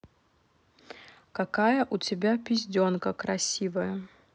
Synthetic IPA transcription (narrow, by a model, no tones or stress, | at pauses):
kɐkajəʔʊtʲɪbʲapʲɪzʲdʲonkəkɾɐsʲivəjə